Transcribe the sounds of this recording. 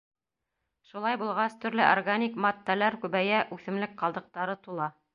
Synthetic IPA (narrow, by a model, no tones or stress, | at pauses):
ʃulˠɑjbulˠʁɑst̪ɵ̆ɾlɘʔorɡanʲikmɑt̪ːælæɾkʉβæjæʔʉθɘ̆mlɘk̚qɑlˠd̪ɤ̆q̚t̪ɑɾɤt̪ulˠɑ